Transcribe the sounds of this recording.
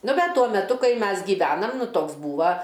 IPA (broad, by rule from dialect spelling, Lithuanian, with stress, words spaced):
ˈnʊ ˈbʲɛt ˈtuɔ mʲɛˈtʊ ˈkɐɪ ˈmʲɛs ɡʲiːˈʋʲæːnɐm ˈnʊ ˈtoːks ˈbuːʋɐ